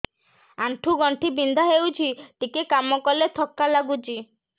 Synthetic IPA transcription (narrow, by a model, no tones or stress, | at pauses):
aɳʈʰuɡɔɳʈʰibind̪ʱaɦewt͡ʃʰiʈikekamɔkɔlet̪ʰɔkːalaɡut͡ʃʰi